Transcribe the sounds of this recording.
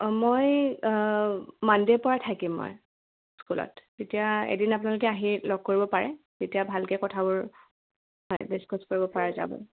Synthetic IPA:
moj | mandepɔɹatʰakimːɔ̰j | skulɔ̰tːetijaḛdinapʊnalʊkɛaɦiɹlɔɡ̚koɹibɔpaɹɛ | tetijabʱalkɛkɔtʰabʊɹ | ɦɔjbeskʰɔskoɹibɔpaɹaza̰bɔ̰n

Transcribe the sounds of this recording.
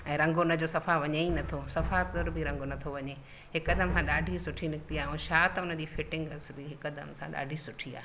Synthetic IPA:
ɛ̃ːɾɐ̃ŋɡoʊnə̆d͡ʑoːsɐfaʋɐɲeinɐt̪ʰosɐfaʊɾbɪɾɐ̃ŋɡonɐt̪ʰoʋɐɲe | ɦɪkəd̪əmsãɗaːɖʱisʊʈʰinɪkɪt̪iaːɦũːʃaːt̪ʊnə̆d͡ʑiːfɪʈɪ̃ŋɡɐsbiɦɪkəd̪əmsãɗa̰ːɖʱisʊʈʰia̰ː

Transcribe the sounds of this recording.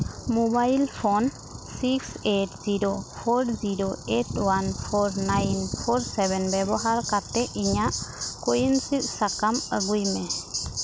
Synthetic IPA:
mobajlpʰɔn | siksetziɾopʰɔɾziɾoetwanpʰɔɾnajnpʰɔɾsɛbɛnbɛbɔɦaɾkat̪ɛʔiɲaʔkojənsit̪̚sakaməɡujmɛ

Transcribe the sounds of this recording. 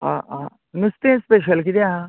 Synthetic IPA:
aã | nust̪espeʃ̬ɐlkid̪aɦa

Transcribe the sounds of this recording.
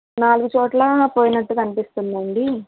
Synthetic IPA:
naːluɡut͡ʃɔːʈlɐpoːjinɐʈːukɐnipist̪und̪ɐɳɖi

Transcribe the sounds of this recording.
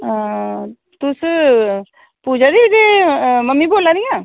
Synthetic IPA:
t̪ʊs | puːd͡ʒaɾideməmːiboːlaɾijã

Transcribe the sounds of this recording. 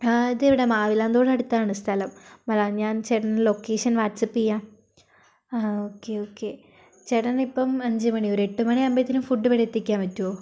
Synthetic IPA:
aːiðɨeʋiɽemaːʋilaːnd̪oːɽɐɽut̪ːaːɳɨst̪ʰɐlɐmːɐlaɲaːnt͡ɕeɽɐnlo̞kːeːʂɐnʋaːtsɐpːijaːm | aːoːkːeoːkːeː | t͡ɕeɽɐnipːɐmɐɲd͡ʑɨmɐɳio̞ɾeʈːumɐɳiɐmbɐt̪ːinumfuɖːɨpɐɽet̪ːikʲːaːnʋɐtːuoː

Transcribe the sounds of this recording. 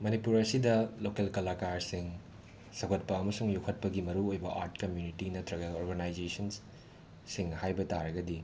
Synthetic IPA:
mɐnipuɾɐsidɐlokelkɐlakaɾsiŋ | sɐkʰɐt̚pɐɐmɐsuŋjukʰɐt̚pɐɡimɐɾuojbɐʔa̰ɾtkɐmjunitinɐtʰɾɐɡɐɐoɾɡɐnajd͡ʒesɐns | siŋhajbɐtaɾɐɡɐdi

